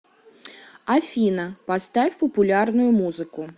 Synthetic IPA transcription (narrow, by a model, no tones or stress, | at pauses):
ɐfʲinɐpɐst̪afʲpɔpʊlʲarnʊjʊmuzɨkʊ